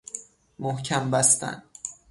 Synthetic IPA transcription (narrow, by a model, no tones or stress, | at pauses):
mohcʰæmbæst̪ʰæ̰n